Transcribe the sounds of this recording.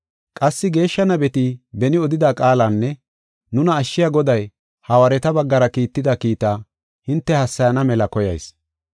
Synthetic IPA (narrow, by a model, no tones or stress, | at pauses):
kʼɐsːɪɡe̞ːʃːɐnɐbɛt̪ibɛnɪɔd̪ɪd̪aːkʼaːlanːɛ | nʊnɐːʃːɪjaɡɔd̪ɐj | hɐwɐɾɛt̪ɐbɐɡːɐɾɐkiːt̪ːɪd̪ɐkiːt̪aː | hɪnt̪ːɛhɐsːɐjɐnɐmɛlɐkɔjɐ̰js